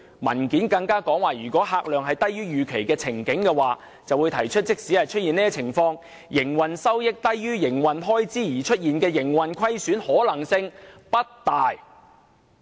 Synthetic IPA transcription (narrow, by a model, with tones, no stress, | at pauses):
mɐ̰˨˩nkiː˨˥nkɐ˧ŋkaː˥kɔː˨˥ŋwaː˨jyː˨˩kʷɔː˨˥ɦaː˧k̚lœː˨ŋɦɐ˨jt̪ɐ˥jɥyː˥jyː˨kʰe˨˩jkɛː˧t͡sʰɪ˨˩ŋkɪ˨˥ŋkɛː˧waː˨ | t͡sɐ˨wuː˨˧jt̪ʰɐ˨˩jt͡ʃʰɵ˥t̚t͡sɪ˥k̚siː˨˥hɐ˨˩jt͡ʃʰɵ˥t̚iː˨nɛː˥t͡sʰɪ˨˩ŋfɔː˧ŋ | jɪ˨˩ŋwɐ˨nsɐ˥wjɪ˥k̚t̪ɐ˥jːyː˥jɪ˨˩ŋwɐ˨nɦɔː˥jt͡siː˥jiː˨˩t͡ʃʰɵ˥t̚jiː˨nkɛː˧jɪ˨˩ŋwɐ˨nkʰɐ˥jsyː˨˥nhɔː˨˥lɐ˨˩ŋsɪ˧ŋpɐ˥t̚t̪aː˨j